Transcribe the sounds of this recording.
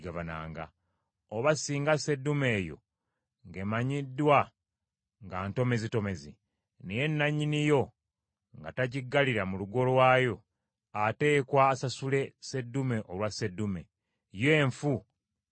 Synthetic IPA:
ɡaβana̰ːŋɡa̰ | oβasiːŋɡase̞dːume̞ːjo̞̰ | ŋɡe̞maɲidːwa | ŋɡaːnto̞me̞zito̞me̞zi | neje̞nːaɲːinijo̞ | ŋɡa̰taɟiɡːaliɾamuluɡo̞lwaːjo̞ | ate̞ːkwaːsasule̞se̞dːume̞ʔolwase̞dːume̞ | je̞ːɱfu

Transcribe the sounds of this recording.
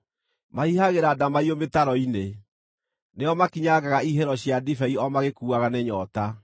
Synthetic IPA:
maihaɣeɾaːdamaiometaɾɔine | neɔmakiɲaɡaɣaiɦɛɾɔɕjadifɛiɔmaɣekuːaɣaneɲɔta

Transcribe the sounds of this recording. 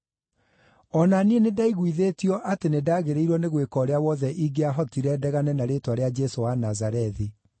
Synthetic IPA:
ɔnanienedaiɣwiðeːtiɔʔatenedaːɣeɾeiɾwɔneɣwekɔɾeawɔðɛʔiɡeaɦɔtiɾɛdɛɣanɛnaɾetwaɾead͡ʒɛsowanazaɾɛði

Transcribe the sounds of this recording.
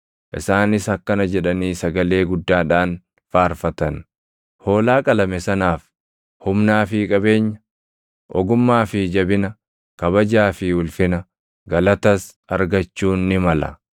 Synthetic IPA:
ʔɪ̰saːnɪsɐkːɐnɐd͡ʒɛᶑɐniːsɐɡɐle̞ːɡʊd̪ːaːᶑaːn | faːɾfɐt̪ɐn | ho̞ːlaːkʼɐlɐmɛsɐnaːf | hʊmnaːfɪːkʼɐbe̞ːɲːɐ | ʔɔɡʊmːaːfɪd͡ʒɐbɪnɐ | kɐbɐd͡ʒaːfɪʊlfɪnɐ | ɡɐlɐt̪ɐs | ɐɾɡɐt͡ʃːuːnːɪmɐlɐ̰

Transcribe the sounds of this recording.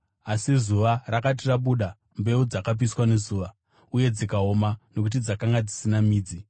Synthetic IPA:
asizuʋarakat̬iraɓuɗa | mbe̞ud͡zakap̬iswane̞zuːʋa | uje̞d͡zikao̞mano̞k̬ut̬id͡zakaŋɡad͡zisinamiːd͡zi

